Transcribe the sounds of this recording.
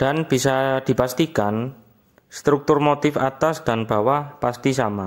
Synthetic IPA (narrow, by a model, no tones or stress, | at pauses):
d̪̥a̤nb̥i̤sad̪̥i̤past̪ikan | st̪ɾuk̚t̪ʊrmot̪ɪfat̪asd̥a̤nb̥a̤wapast̪isama